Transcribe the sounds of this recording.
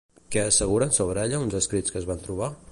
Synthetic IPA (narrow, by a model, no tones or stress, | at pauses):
kɛəsəɣ̞uɾənsoβɾɛʎəunzəskɾit͡sskəzβant̪ɾuβ̞a